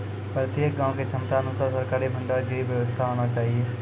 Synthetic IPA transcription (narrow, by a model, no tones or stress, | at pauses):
pɾət̪jək̚ɡãːõket͡ʃʰɐmt̪aɐnʊsaːɾsɐɾkaːɾibʱə̃ɳɖaɾɡiʋjəʋəst̪ʰaɦoːñat͡ʃaːɦieː